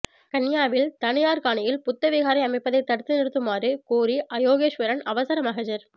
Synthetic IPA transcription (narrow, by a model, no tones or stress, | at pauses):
kɐnjaːʋɪlt̪ɐɳɪjaːɾkaːɳɐjɪlpʊt̪ːɐʋiɣaːɾɐɪɐmɐɪpːɐðɐɪt̪ːɐɽɯt̪ːɯnɪɽɯt̪ːɯmaːrɯkuːɾiʔɐjoːɣeːʃʋɐɾɐnɐʋɐsɐɾɐmɐɣɐd͡ʒɐɾ